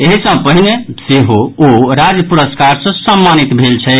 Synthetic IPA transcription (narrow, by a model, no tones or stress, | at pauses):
eɦisə̃pəɦineseɦooɾad͡ʒjəpuɾəskaɾsə̃səmːanit̪bʱelt͡ʃʰɛ